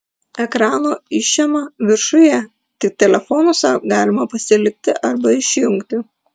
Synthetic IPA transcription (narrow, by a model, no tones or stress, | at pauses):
ɛkɾɑːnoːɪʃʲɛmɐʋʲɪɾʃʊjɛ | t̪ʲɪk̚t̪ʲɛlʲɛfɔːnʊsɐɡɑːlʲɪmɐpɐsʲɪlʲɪk̚ʲt̪ʲɪʔɐɾbɐɪʃʲjʊŋkt̪ʲɪ